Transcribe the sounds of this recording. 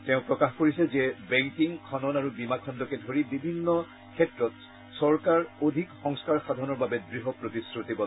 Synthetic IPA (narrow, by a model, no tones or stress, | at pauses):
tɛʊ̃pɹɔkaxkoɹisɛzɛbɛŋkiŋkʰɔnɔnaɹubimakʰɔndɔkɛdʱoɹibibʱinːɔ | kʰɛtɹɔt | sɔɹkaɹodʱikxɔŋskaɹxadʱɔɔnɔɹbabɛdɹiɦɔpɹotisɹutibɔ